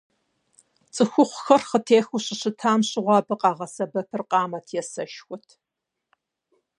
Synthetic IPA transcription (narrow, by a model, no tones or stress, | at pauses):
t͡sʼɨxʷʊχʷʊxɐrχətʰeːxuɕɪɕɪtʰaːmɕʼɪʁʷɑːbɨqʼɑːʁɐsɐbɐpʰɨrqʼɑːmɐtʰjɛsɐʃxʷʊtʰ